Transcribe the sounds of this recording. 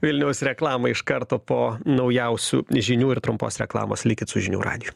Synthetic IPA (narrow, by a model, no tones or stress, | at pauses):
ʋʲɪlʲnʲɛʊsɾʲɛklˠɑːmɐɪʃkɐɾt̪oːpoːnɒʊjɛʊsʲṵːʒʲinʲuːɪɾt̪ɾʊmpo̰ːsɾʲɛ̰klˠɑ̰ːmoːslʲɪkʲɪt̪sʊʒʲɪnʲṵːɾɑ̰ːd̪ʲɪju